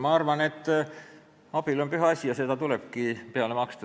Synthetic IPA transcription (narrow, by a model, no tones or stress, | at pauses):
mɑɑrvɑne̞t̪ːˑ | ɑb̥ilo̞npyɦɑɑsʲijɑse̞d̪̥ɑt̪ule̞b̥̚kipeɑlemɑkst̪u